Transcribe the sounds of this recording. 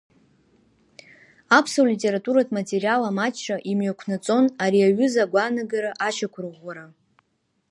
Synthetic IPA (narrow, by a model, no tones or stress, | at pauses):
apʰsowlitʼe̞ɾatʼuɾatʰʼmatʼe̞ɾijalamat͡ʃʰːaʔimɥakʷʰnat͡sʼo̞naɾiaɥʏzaɡʷanaɡaɾaʔaʃʰakʷʰrʁʷaɾa